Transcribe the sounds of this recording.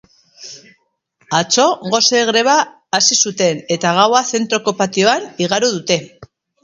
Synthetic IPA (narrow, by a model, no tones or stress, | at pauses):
at͡so̞ɣo̞seɣɾe̞β̞aː | sisut̪e̞ne̞t̪aɣ̞awaθe̞nt̪ɾo̞ko̞pat̪io̞aniɣaɾuðut̪e̞